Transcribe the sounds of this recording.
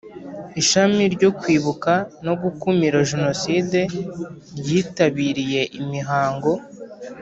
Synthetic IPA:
iʃamiɾɟo̞kwiːβukano̞ɡukumiɾaʒeno̞siːde̞ | ɾɟiːtaβiɾije̞ʔimiɦaːŋɡo̞

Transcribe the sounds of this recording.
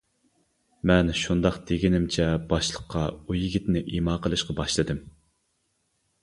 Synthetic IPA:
mɛnʃund̪ɑqt̪eɡʲinɪmt͡ʃʰɛbɑʃlˠəqʰːɑujiɡʲit̪nɪʔimɑːqʰəlˠɨʃqɑbɑʃlˠɨd̪ɨm

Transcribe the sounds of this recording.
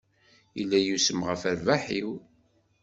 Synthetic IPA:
ilːæjusəmʁəfæɾvaħiw

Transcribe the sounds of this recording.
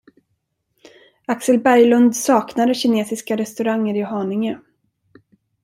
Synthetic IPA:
aksəlbæɾjlɵnd̪sɑːknad̪əɕɪneːsɪskaɾɛst̪ɵɾaŋːəɾɪɦɑːnɪŋə

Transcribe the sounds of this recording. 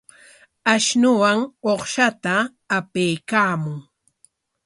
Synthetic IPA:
aʃnʊwaŋoχʃat̪aː | pejkaːmʊŋ

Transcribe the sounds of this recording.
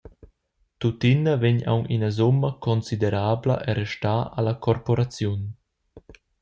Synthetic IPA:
t̪ut̪inəveɲa̰wŋʔinɐzumːɐkʰɔnsid̪eɾaːblə̰ʔɛɾɛʃtaːa̰lakʰɔɾpɔɾat͡sjun

